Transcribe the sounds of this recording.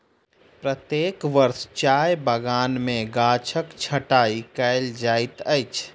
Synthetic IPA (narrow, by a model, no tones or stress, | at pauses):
pɾət̪jeːkʋəɾst͡ʃajbəɡaːnmẽɡat͡ʃʰəkt͡ʃʰəʈaikəɪld͡ʒait̪ət͡ʃʰ